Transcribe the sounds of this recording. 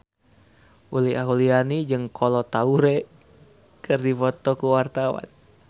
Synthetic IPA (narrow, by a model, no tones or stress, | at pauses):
ʔuliaɦulianid͡ʒɨŋkʰɔlɔt̪auɾe | kɨrdifɔt̪ɔkuwart̪awa̰n